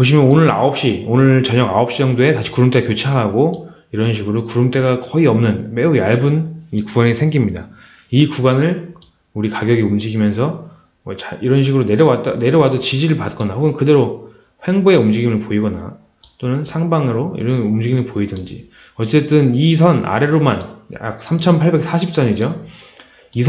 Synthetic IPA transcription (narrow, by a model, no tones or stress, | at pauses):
poɕ̬ʰimjʌnonɯɾa̰ʌp̚ɕ͈ionɯɭt͡ɕʌɲʌɡaʌp̚ɕ͈id͡ʑʌŋdoe̞taɕʰi̥kuɾumt͈eapjot͡ɕʰaɦaɡo | iɾʌnɕʰiɡɯɾokuɾumt͈e̞ɡakʌiʌmnɯnme̞ujaɭbunikuɡwanesʰe̞ŋɡimɲida | ikuɡwanɯɭ | uɾikaɡjʌɡiumd͡ʑiɡimjʌns̬ʰʌ | ʌt͡ɕaiɾʌnɕ̬ʰiɡɯɾone̞ɾjʌwat͈̚ane̞ɾjʌwadot͡ɕid͡ʑiɾɯɭpat̚k͈ʌnahoɡɯnkɯde̞ɾo | ɸwe̞ŋboe̞umd͡ʑiɡimɯɭpoiɡʌna̰ | t͈onɯnsʰaŋbaŋɯɾoḭɾʌnumd͡ʑiɡimɯɭpoidɯnd͡ʑḭ | ʌt͡ɕ͈e̞t͈ɯnisʰʌna̰ɾe̞ɾomana̰k̚s͈ʰamt͡ɕʰʌnpʰaɭbe̞k̚s͈ʰaɕʰip̚t͡ɕ͈ʌnid͡ʑo | isʰ